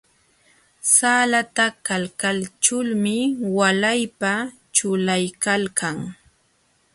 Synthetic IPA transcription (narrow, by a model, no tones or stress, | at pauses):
saːlat̪akalkalt͡ʃʊlmɪwalajpa | t͡ʃʊlajkalkʰaŋ